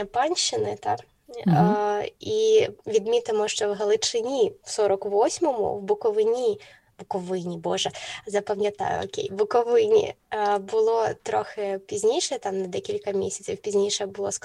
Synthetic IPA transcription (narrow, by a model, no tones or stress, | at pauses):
ɐpɑnʲʃːɪnɪt̪ɑk | iʋʲid̪mʲit̪ɐmuʂt͡ʃɔwɣɐlˠɪt͡ʂɪnʲiwsɔɾɐkʋɔsʲmɔmʊ̰wbʊkɔʋɪnʲi | bʊkɔʋɪnʲibɔʐɛzɐpɐmʲjɐt̪a̰jʊ̰ɔ̰kʲḛjbʊkɔʋɪnʲḭbʊlˠɔt̪ɾɔxɛpʲizʲnʲijʂɛɛt̪amnɐd̪ɛkʲilʲkɐmʲesʲɐ̥t͡sʲiwpʲizʲnʲijʂɛɛbʊlˠɔs